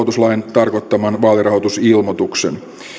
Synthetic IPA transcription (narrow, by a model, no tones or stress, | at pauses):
ot̪uslɑjent̪ɑrkot̪ːɑmɑnʋɑːlirɑɦot̪usilmot̪uksen